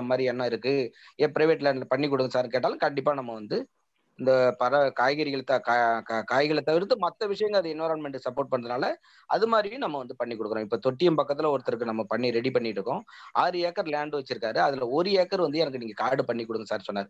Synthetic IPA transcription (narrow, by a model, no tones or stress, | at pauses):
maːd̪ɾiɛnːãːɪɾɯkːɯ | eːpɪɾɐɪʋeːʈlaːɳɖlɐpɐɳːikːɔɽɯŋɡɐsaːɾkeːʈ̬ːaːlɯ̃kɐɳɖɪpːaːnɐmːɐʋɐnd̪ɯ | ɪnd̪ɐpɐɾɐkaːjɣɐɾɪɣɐɭɐt̪ːãkakkaːjɣɐɭɐt̪ːɐʋɪɾt̪̬ːɯmɐt̪ːɐʋɪʂɐjɐŋɡɐɐðɯɪnʋɐɪɾaːnmɛɳʈɯsɐpːoːɾʈ̚pɐɳːɐðɯnaːlɐ | ʔɐ̰ðɯmaːd̪ɾɪjʊ̃nɐmːɐʋɐnd̪ɯpɐɳːikɔɽɯkːɐɔ̃ɪpːoːt̪ɔʈːɪjɐmpɐkːɐt̪ːɪlɐɔɾɯt̪ːɐɾɯk̬ːɯnɐmːɐpɐɳːiɾɛɽipɐɳːɪʈːɾɯkːʊ̃ʔaɾɯeːkːɐɾlaːɳɖɯʋɐt͡ʃːɪɾɯkːaːɾɯɐðɪlɐɔɾɯeːkːɐɾʋɐnd̪ɯɛnɐkːɯniːŋɡɐkaːɽɯpɐɳːikːɔɽɯŋɡɐsaːɾsɔnːaːɾɯ